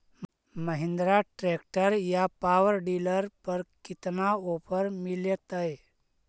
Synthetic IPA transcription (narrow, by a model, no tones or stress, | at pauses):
məɦĩnd̪ɾaʈɾekʈəɾjapaʋəɾɖiləɾpəɾkit̪naopəɾmiljət̪əj